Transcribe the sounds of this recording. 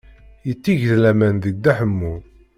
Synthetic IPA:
jət͡sːiʝðlæmænðəɡ̚d̪æħəmːu

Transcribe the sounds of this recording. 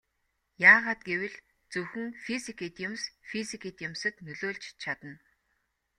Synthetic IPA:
jaːʁaːt̪̚ɡewɘ̆ɮ | t͡sɵxɵ̆ŋfisikʰit̪jʊmsfisikʰiːt̪jʊmsə̆t̪nɵɮoːɮt͡ɕt͡ɕʰat̪ə̆n

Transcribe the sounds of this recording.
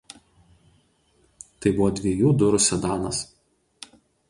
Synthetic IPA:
t̪ɐɪbʊʋɔːd̪ʲʋʲiɛjuːd̪ʊɾʊsʲɛd̪ɑːnɐs

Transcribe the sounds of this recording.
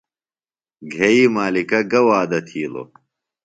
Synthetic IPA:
ɡʱeiːmaːlikɐɡɐwaːd̪ɐt̪ʰiːlo̰

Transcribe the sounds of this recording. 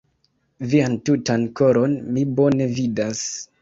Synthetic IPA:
viantutanko̞ɾo̞nmibo̞ne̞vidas

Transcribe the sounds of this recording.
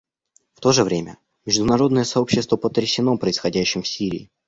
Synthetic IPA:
ft̪o̞ʐɨvɾʲemʲə | mʲɪʐd̪ʊnɐɾo̞d̪nəjəsɐo̞pɕːɪst̪vəpət̪ɾʲɪsʲɪno̞pɾəɪsxɐdʲæɕːɪmfsʲiɾʲɪ̰ː

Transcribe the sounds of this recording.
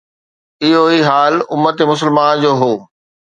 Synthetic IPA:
ɪɦoiːɦaːlʊmːət̪emʊs̬əlmaːnd͡ʑoːɦoː

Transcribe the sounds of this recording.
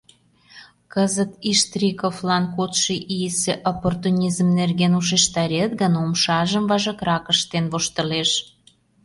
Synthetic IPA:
kəzət̪iʃt̪rʲikoflɑnkot̪ʃiʔijseʔoport̪unʲizmnerɣenuʃ̬eʃt̪ɑɾʲet̪ɡənomʃɑʒəmvɑʒəkɾɑkəʃt̪enβoʃt̪ə̆leʃ

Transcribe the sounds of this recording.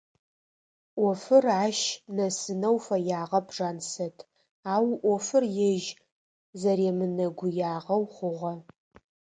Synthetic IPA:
ʔʷɔfɨraːʃnɐsɨnɐwfɐjaːʁɐpʰʐaːnsɐtʰ | aːwʔʷɔfɨrjɛʒ | zɐɾeːmɨnɐɡʷʊjaːʁɐwχʷʊʁʷɐ

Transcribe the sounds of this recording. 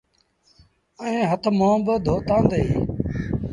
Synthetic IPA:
əɦẽːɦət̪ʰmãːbəd̪ʱoːt̪ãːnd̪əiː

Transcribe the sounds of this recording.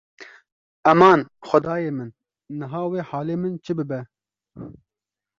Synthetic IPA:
ɛmɑːnxʷʊd̪ɑːjeːmɨnː | ɨɦɑːweːħɑːleːmɨnt͡ʃʰɨbɨbɛ

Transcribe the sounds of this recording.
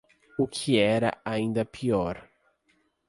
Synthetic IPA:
ʊkʰɪɛɾɐ̰aĩnd̪ɐpʰiɔɾ

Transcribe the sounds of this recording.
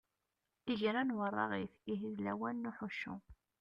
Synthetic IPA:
iʝɾænwərˤːɑ̰ʁiθiɦiðlæwænːuħuʃːṵ

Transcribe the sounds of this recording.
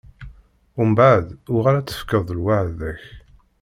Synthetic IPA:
ʊmbaʕðʊʁaɾæt͡sːə̥fkəðˤəlwaʕðæç

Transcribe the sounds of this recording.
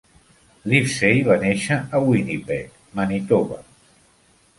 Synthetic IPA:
lifsejβaneʃəːwinipɛk | manit̪oβa̰

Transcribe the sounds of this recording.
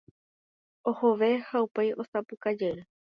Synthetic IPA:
oho̞ʋe̞haupejʔo̞sapɨkad͡ʒeɾe

